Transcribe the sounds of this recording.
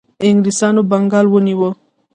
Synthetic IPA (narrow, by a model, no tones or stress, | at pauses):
ɪŋɡɾisɑnobaŋɡɑlwəniwə